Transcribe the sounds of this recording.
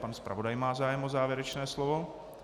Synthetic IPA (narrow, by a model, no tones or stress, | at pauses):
panspɾa̰vo̞dajmaːzaːjɛmʔozaːvjɛɾɛt͡ʃnɛːslovo̞